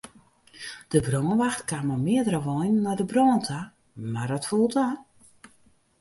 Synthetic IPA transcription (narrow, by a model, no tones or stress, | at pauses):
d̥əbrɔːnʋaxtkamɔmɪədərəʋɔjnːɔjdəbrɔːntʰa | mardɔtfulˠta